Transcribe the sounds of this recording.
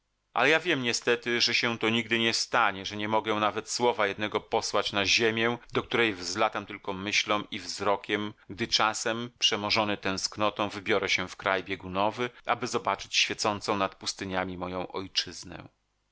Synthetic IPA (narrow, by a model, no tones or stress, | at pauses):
ʔa̰lɛjavʲjɛmɲɛst̪ɛt̪ɘʐɛɕɛ̃t̪ɔɲiɡ̚d̪ɘɲɛst̪aɲɛʐɛɲɛmɔɡɛ̃navɛt̪swɔvajɛd̪nɛɡɔpɔswat͡ɕnaʑemʲjɛd̪ɔk̚t̪uɾɛjvzlat̪amt̪ɘlkɔmɘɕlɔ̃w̃ivzɾɔkʲɛmɡd̪ɘt͡ʂasɛmpʂɛmɔʐɔnɘt̪ɛ̃w̃sknɔt̪ɔ̃w̃vɘbʲjɔɾɛɕɛfkɾajbʲjɛɡunɔvɘʔa̰bɘzɔbat͡ʂɘ̥t͡ɕɕfʲjɛt̪sɔnt̪sɔ̃w̃nat̪̚pust̪ɘɲamʲimɔjɔ̃w̃ʔɔjt͡ʂɘznɛ̰